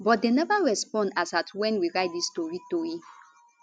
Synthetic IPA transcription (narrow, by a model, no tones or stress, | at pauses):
bɔt̚denɛvaɹɛspɔ̃ndasatʰwɛ̃nwiɹaɪt̚distɔɹitɔi